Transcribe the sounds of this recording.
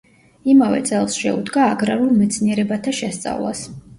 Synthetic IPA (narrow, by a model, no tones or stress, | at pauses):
imavɛ̰t̪sʼɛlˠsʃɛ̰ṵd̪ɡaːɡɾaɾulˠmɛt̪sʰniɛɾɛbat̪ʰaʃɛst̪sʼa̰vlˠa̰s